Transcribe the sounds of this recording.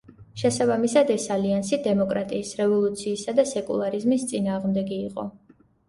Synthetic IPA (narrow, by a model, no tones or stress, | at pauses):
ʃɛsabamisad̪ɛsaliansid̪ɛmɔkʼɾat̪ʼiːsɾɛvɔlˠut̪sʰiːsad̪asɛkʼṵlˠaɾizmist̪sʼinaːʁmd̪ɛɡiːqʼɔ̰